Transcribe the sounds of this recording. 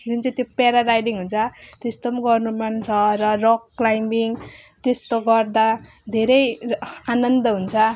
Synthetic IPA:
ɡunt͡sʌt̪jopeɾaɾajɖiŋɦunt͡sʰʌt̪ist̪ʌmɡʌrnumant͡sʰʌrʌrokːlajmbiŋt̪est̪oɡʌrd̪a | d̪ʱeɾʌjanʌnd̪ʌɦunt͡sʰʌ

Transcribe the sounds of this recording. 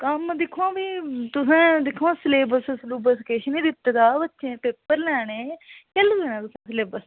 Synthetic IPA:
kəmd̪ɪkʰːãːbiːt̪ʊsɛ̃ːd̪ɪkʰːãːsleːbəssluːbəskeʃnĩːd̪ɪt̪ːɡ̪aːbətːʃẽːpeːpːəɾlɛːɽeːkɛluːeːnɛ̃ːt̪ʊsẽːsleːbəs

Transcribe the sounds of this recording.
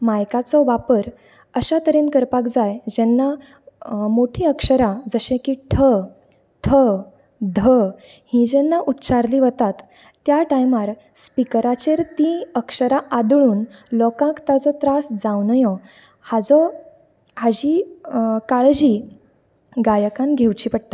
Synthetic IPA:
majkat͡sɔʋapəɾ | əɕat̪əɾenkəɾpakd͡zajd͡ʑɛnːa | moʈʰiəkʂəɾad͡zəɕẽkiːʈʰə | t̪ʰə | d̪ʱə | hĩd͡ʑɛnːaʔut̪t͡ɕaɾliːʋət̪at̪ː | jaʈajmaɾ | spikəɾat͡ɕeɾt̪ĩəkʂəɾaʔad̪ɭuːnlɔkãkt̪ad͡zɔt̪ɾasd͡zawnəjɔ | had͡zɔ | had͡ʑiːkaɭd͡ʑiː | ɡajəkãnɡʱewt͡ɕiːpəɽt̪a

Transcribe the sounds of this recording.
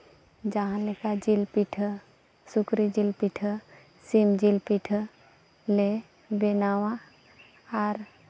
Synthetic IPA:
d͡ʒaɦãlekad͡ʒilpiʈʰə | sukɾid͡ʒilpiʈʰə | simd͡ʒilpiʈʰə | le | benawa | aɾ

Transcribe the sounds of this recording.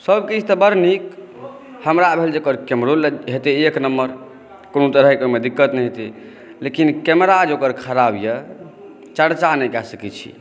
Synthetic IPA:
səbkid͡ʒʰʱt̪əbəɾnik | həmɾabʱeld͡ʒokəɾkemɾolɦet̪eeknəmːəɾ | konot̪əɾəɦikmed̪ikːət̪nɛɦet̪e | lekinkemɾad͡ʒokəɾkʰəɾabjə | t͡ʃəɽt͡ʃanɛkɛsəkɛt͡ʃʰḭ

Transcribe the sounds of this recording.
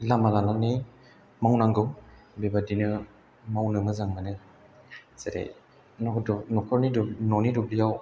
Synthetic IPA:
lamalananɯ | mawnaŋɡɯw | bebadinɯ | mawnɯmɯzaŋanɯ | zeɾḛ | nɔdnɔkʰɔɾnidnɔnidɔbijaw

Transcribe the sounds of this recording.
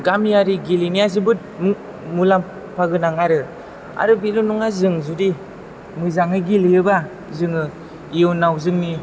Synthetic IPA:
ɡamjaɾiɡilinijazɯbɯt̚m | mulam | pʰaɡɯnaŋaɾɯ | a̰ɾɯbilunuŋazɯŋzudi | mɯzaŋɯɡiliɯba | zɯŋɯ | iɯwnawzɯŋni

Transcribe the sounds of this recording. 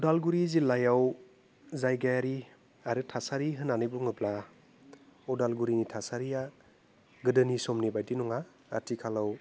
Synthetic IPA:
udalɡuɾizilajaw | zajɡajaɾi | aɾɯtʰasaɾiɦɯnanɯjbuŋɯbla | ɔdalɡuɾinitʰasaɾija | ɡɯdɯnisɔmnibajdinɔŋaː | tʰikʰalaw

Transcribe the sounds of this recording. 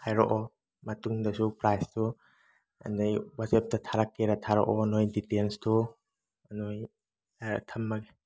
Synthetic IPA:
hajɾɔʔɔ | mɐtuŋdɐsupɾajstʰu | a̰ndajwasep̚tatʰaɾakːeɾatʰaɾɔ̰ʔɔnojditenstʰu | noj | tʰɐmːaɡe

